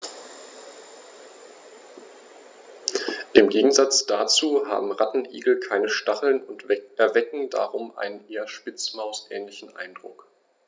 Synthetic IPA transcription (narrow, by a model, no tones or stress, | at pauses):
ʔɪmɡeːɡŋ̩zat͡sd̥at͡suːɦa̰ːbm̩ʁatn̩ʔḭːɡl̩kʰaɪnəʃtaχl̩nʊntvɛʔɛɐvɛkŋ̩da̰ʁʊmʔa̰ɪnənʔeːɐʃpɪt͡smaʊsʔɛ̰ːnlɪçn̩ʔa̰ɪndʁʊ̰k